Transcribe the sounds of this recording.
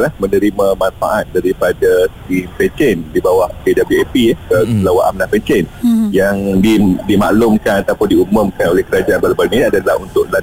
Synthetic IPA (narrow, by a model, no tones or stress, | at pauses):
lahmənəɾimãmãnfa̰ʔat̪̚daɾipadasə̥kimpɛnt͡ʃɛndibawahpedabluɛpiɛkəlawaʔa̰mnahpɛnt͡ʃɛnjaŋdidima̰ʔlʊmkanat̪awpʊndiumʊ̃mkanolɛhkəɾad͡ʒaʔanbarbaɾniadalahunt̪ʊkla